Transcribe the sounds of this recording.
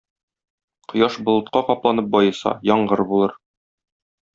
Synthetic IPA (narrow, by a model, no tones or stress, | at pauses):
qŏjɑʃbŏlˠɤ̆t̪̚qɑqɒplˠɑnɤp̚bɒjɤ̆sɑ̰jɒɴɢɤɾbulˠɤɾ